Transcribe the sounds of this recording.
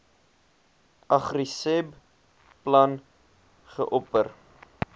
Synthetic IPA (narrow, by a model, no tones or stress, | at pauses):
ʔɐχrisɛb | plɐn | χəʔɔpər